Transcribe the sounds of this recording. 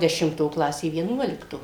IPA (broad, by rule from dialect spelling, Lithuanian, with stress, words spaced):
dʲɛʃʲɪmˈtoː ˈklˠɑːsʲeː ʋʲiɛˈnuɔlʲɪktoː